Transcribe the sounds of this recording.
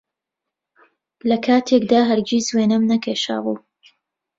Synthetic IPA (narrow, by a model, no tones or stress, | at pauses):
lɐkʰaːt̪ʰekd̪aːɦɐɾɡizweːnɐmnɐkʰejʃa̰ːʁuː